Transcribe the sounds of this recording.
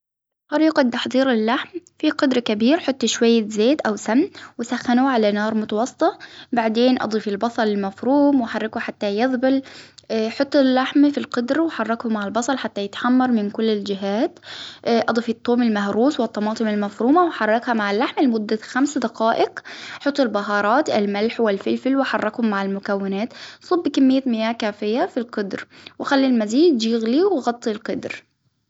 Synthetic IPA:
ɪlxɑɾiːqɑt̪ːaħd̪ˤiːɾɪlːaħmfiqʊd̪ɾɑkabiːɾħʊt̪ˤːʃwajːazeːd̪ʔawsamːwɪsaxːanuʕalanɑːɾˤmʊt̪ɑwɑsˤːɨ̥t̪ˤɑbaʕd̪eːnʔɑ̰d̪ˤiːfɪlbɑsˤɑlɪlmafɾuːmwaħarˤːɪkuħat̪ːajɑðˤbɪl | ħʊt̪ˤːʊlːaħmfilqʊd̪ɾwɪħɑrˤːɑkhʊmaʕɪlbɑsˤɑlħat̪ːajɪt̪ħamːɑɾˤmɪnkʊlːɪld͡ʒɪɦaːt̪ʔɑd̪ˤɑfit̪ˤːoːmɪlmahɾuːswɪt̪ˤːɑmɑːt̪ˤɨmɪlmafɾuːmawɪħɑrˤːɑkhamaʕɪlːaħmlɪmʊd̪ːaxamsd̪ɑqɑːʔɪqħʊt̪ˤːɪlbɑɦɑːɾˤɑːt̪ɪlmalħwɪlfɪlfɪlwɪħɑrˤːɑkhʊmːaʕɪlmʊkawːɪnaːt̪sˤʊbːkɪmːɪjːamɪjaːkaːfɪjːafilqʊd̪ɾwɪxalːilmaziːd̪d͡ʒiɣliwɣɑt̪ˤːilqɑd̪ɾ

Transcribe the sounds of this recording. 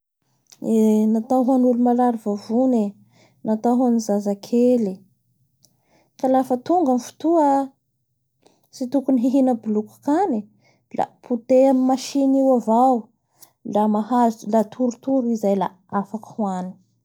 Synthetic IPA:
enat̪awɦanulumalaɾivavune | nat̪aɦanizazakʰeli | kalafət̪uŋɡamifu̥t̪uə | sit̪ukuniɦiɦinəbuluku̥kani | la̰pʰut̪eamimaʃiniwavaw | lamaɦazlat̪ʰuɾut̪uɾuizajla̰ | afakhwani̥

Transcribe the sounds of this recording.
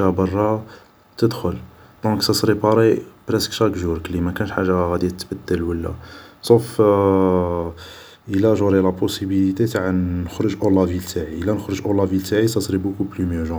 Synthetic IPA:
æbɑrˤːɑ | t̪əd̪xʊl | d̪̥ɔ̃ksæsˤɾipɑɾibɾɛskʃækʒuɾklimækænəʃħaʒːaɣæd̪jæt̪ːbəd̪ːəlwəlːæ̰sˤof | ʔəlæʒuɾilæposibilit̪et̪aʕannəxɾəʒʔolːɑvilt̪ʰaʕiəlːænəxɾəʒʔolːɑvilt̪aʕisæsˤɾibukuplymjəʒɑ̃

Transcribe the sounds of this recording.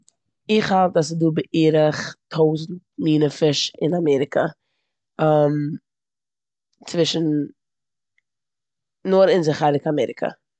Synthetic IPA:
ɪχhalˠtas̬ɪduːbɪʔiːɾəχtʰoʊzn̩t̚miːnəfɪʃɪnamɛɾɪkʰə̰ | am | t͡svɪʃn̩ | ɔɾɪnzɪχaɾɪkamɛɾɪkʰə̰

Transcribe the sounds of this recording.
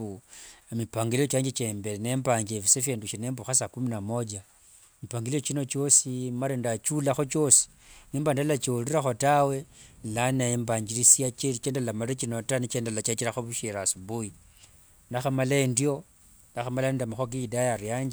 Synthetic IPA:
umipaŋɡilijot͡ʃaːɲd͡ʒet͡ʃembelene̞mbaɲd͡ʒefisefeːnduʃenembuxasakuminamo̞d͡ʒa | mipaŋɡilijo̞t͡ʃino̞t͡ʃo̞simaɾendat͡ʃulaxo̞t͡ʃo̞si̥ | nimbandalat͡ʃiuliɾaxo̞tawe̞lanembaɲd͡ʒiɾisijat͡ʃeit͡ʃeːndalamalet͡ʃino̞tanit͡ʃendalat͡ʃat͡ʃiɾaxoβuʃeɾasubuji | naxamalaendjo̞ | naxamalaindamaxoɡiidajaɾjaːɲd͡ʒe

